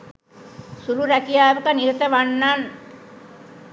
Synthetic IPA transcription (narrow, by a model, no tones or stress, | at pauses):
suɾuɾækijaːʋukɐniɾɐt̪ɐʋanːan